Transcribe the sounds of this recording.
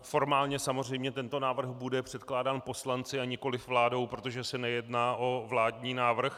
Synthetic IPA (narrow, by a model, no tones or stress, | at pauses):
ffo̞ɾmaːlɲɛsamor̝ɛjmɲɛt̪ɛnt̪o̞naːvr̩xbudɛpr̝̥ɛt̪klaːdaːnpo̞slant͡sɪaɲɛko̞lɪfvlaːdo̞wpɾo̞t̪o̞ʒɛsɛnɛjɛdnaːʔo̞vlaːdɲiːnaːvr̩x